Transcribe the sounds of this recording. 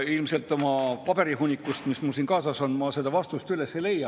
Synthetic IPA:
ilmse̞lt̪ːˑo̞mɑpɑb̥e̞ɾiɦunʲːikːˑust̪mismulsinkɑːsɑso̞nmɑse̞d̪̥ɑvɑst̪ust̪ylesele̞jːɑ

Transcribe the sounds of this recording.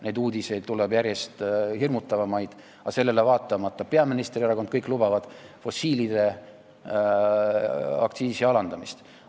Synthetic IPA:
ne̞jd̪uːd̪ise̞jd̪̥t̪ːulebjæɾje̞st̪hirmut̪ːˑɑvɑmɑjd̪̥ | ɑse̞lːe̞le̞vɑːt̪ːˑɑmɑt̪ːɑpe̞ɑminist̪rieɾɑko̞nd̪̥kɤjkːˑlubɑvɑd̪̥fo̞siːlid̪̥e̞ | ɑ̰kt̪siːsiɑlɑnd̪ɑmist̪

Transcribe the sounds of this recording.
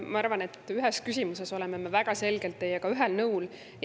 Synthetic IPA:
mɑɑɾvɑne̞t̪ˑyɦeskysʲimuseso̞lememevæɡ̥ɑse̞lɡ̥e̞lt̪ːejːekɑyɦelnɤwl | j

